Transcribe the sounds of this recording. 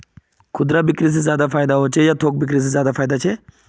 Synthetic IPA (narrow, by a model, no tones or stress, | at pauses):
kʰʊd̪ɾabɪkɾis̬ezjaːd̪afʰaːjd̪aɦot͡ʃʰejaːt̪ʰoːk̚bɪk̬ɾis̬ezjaːd̪afʰaːjd̪at͡ʃʰe